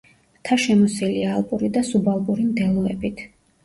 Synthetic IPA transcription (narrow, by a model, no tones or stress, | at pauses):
t̪ʰaʃɛmɔsiliaːlˠpʼuɾid̪asubalˠpʼuɾimd̪ɛlˠɔɛbit̪ʰ